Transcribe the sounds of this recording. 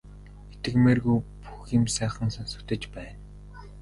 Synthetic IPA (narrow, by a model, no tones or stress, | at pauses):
et̪ɘ̆kmeːrɣujpu̥xĭmsæːχə̆ŋsansɵ̆kt̪ɘ̆t͡ɕpæːn